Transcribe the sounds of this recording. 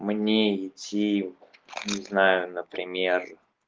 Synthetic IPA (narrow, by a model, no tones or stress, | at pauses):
mnʲeɪtʲi | nʲɪznajʊnəpɾʲɪmʲer